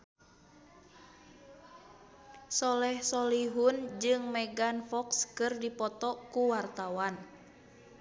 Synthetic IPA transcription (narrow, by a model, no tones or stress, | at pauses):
sɔlɛhsɔliɦund͡ʒɨŋmɛɡanfɔkskɨrdipɔt̪ɔkuwart̪awan